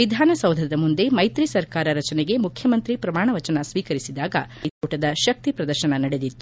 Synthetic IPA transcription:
ʋid̪ʱaːnɐsɐwd̪ʱɐd̪ɐmund̪e̞mɐjt̪ɾisɐɾkaːɾɐɾɐt͡ʃɐneɡe̞mukʰjɐmɐnt̪ɾipɾɐmaːɳɐʋɐt͡ʃɐnɐsʋiːkɐɾisid̪aːɡɐjt̪uːʈɐd̪ɐʃɐk̚t̪ipɾɐd̪ɐɾʃɐnɐnɐɽed̪it̪ːu

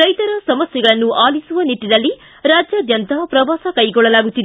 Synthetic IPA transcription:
ɾɐjt̪ɐɾɐsɐmɐsjɛɡɐɭɐnːuʔaːlisuʋɐniʈːid̪ɐlːi | ɾaːd͡ʒjaːd̪ʱjɐnt̪aːpɾɐʋaːsɐkɐjɡɔɭːɐlaːɡut̪ːid̪e

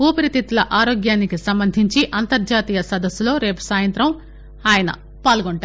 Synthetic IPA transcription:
uːpɐɾit̪it̪ulɐʔaːɾoːɡjaːnikisɐmbɐnd̪ʱiɲt͡ʃiʔɐnt̪ɐɾd͡ʒaːt̪iːjɐsɐd̪ɐsːulo̞ːɾe̞ːpu̥saːjɐnt̪ɾɐm | aːjɐnɐ̰ | paːlɡoɳʈaː

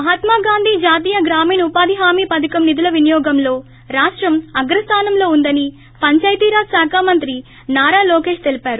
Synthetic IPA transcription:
mɐɦɐt̪maːɡaːnd̪ʱiːd͡ʒaːt̪iːjɐɡɾaːmiːnɐupaːd̪ʱiɦaːmiːpɐd̪ɐkɐmnid̪ulɐʋinijɔːɡɐmlo̞ː | ɾaːʂʈɾɐmɐɡɾɐst̪ʰaːnɐmlo̞ːund̪ɐni | pɐɲt͡ʃɐjt̪iːɾaːsaːkʰaːmɐnt̪ɾi | naːɾaːlɔːke̞ːʂt̪e̞lipaːɾu

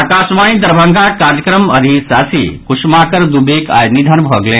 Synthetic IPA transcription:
ɐkaːsʋãːĩd̪ɐɾbʱə̃ŋɡaːkaːɾjɐkɾəmɐɾisaːsḭkuʃmaːkəɾd̪ubeːka̰jnid̪ʱɐnbʱɔɡlẽː

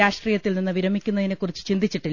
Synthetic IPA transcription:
aːʂʈriːjɐt̪ːilninːɨʋiɾɐmːikʲːunːɐðinekːurit͡ɕːɨ̥t͡ɕind̪it͡ɕːiʈːi

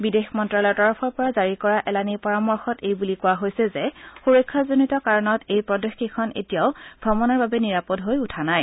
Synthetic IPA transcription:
bidexmɔntɹalɔɹtɔɹɔpʰɔɹpɔɹazaɹikɔɹaʔɛlanipaɹamɔɹxɔtejbulikʊwaɦojsɛzɛxuɹɔkʰːazonitɔkaɹɔnɔtʰejpɹɔdɔxikʰɔnḛtijaʊɡʱɔmɔnɔɹbabɛniɹapɔdɦojutʰanaj

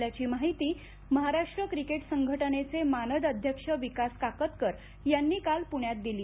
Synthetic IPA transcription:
ljat͡ɕiːmaɦit̪iː | məɦaɾaʂʈɾəkɾikeʈsəŋɡʱəʈənet͡semanəd̪əd̪ʱjəkʂəʋikaskakət̪kəɾ | janːiːkalpuɳjat̪̚d̪iliː

